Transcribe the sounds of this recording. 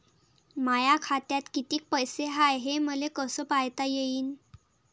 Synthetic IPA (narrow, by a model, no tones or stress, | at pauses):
majakʰat̪jat̪kit̪iːk̚pəjseɦajɦeməlekəsəpajt̪ajeiːn